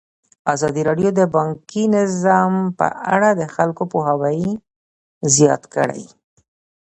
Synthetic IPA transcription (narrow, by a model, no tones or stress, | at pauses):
azɑd̪iɾɑɖjod̪əbɑŋkinɪzɑmpə̰ʔa̰ɽad̪əxalkopoɦawaj | zjɑ̰t̪kə̰ɽa̰j